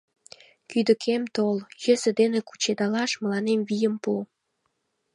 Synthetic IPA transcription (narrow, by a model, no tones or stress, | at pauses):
kyd̪ə̆kʰemt̪oljə̆sə̆d̪eneku̥t͡ɕed̪ɑlɑʃməlɑnemvijəmpu